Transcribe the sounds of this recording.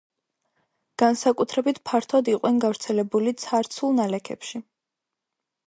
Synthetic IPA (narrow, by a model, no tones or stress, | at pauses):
ɡ̥ansakʼut̪ʰɾɛbit̪ʰpʰaɾt̪ʰad̪iqʼwɛnɡavɾt̪sʰɛlɛbulit̪sʰaɾt̪sʰulˠnalɛkʰɛ̰pʃi